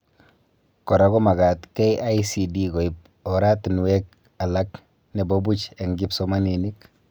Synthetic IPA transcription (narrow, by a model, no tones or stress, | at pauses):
kɔɾaɡɔmaɡatkɛjʔaisidiɡɔip̚ | ɔɾatnwɛk̚ | alak | nɛbobut͡ʃaŋɡipsɔmaninik